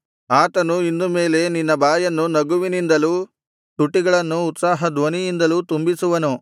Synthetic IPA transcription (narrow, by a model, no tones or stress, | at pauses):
aːt̪ɐnuind̪umeːle̞ninːɐbaːjɐnːunɐɡuʋinind̪ɐluː | t̪uʈːiɡɐɭɐnːuːt̪saːɦɐd̪ʋɐnijind̪ɐluːt̪umbisuʋɐnu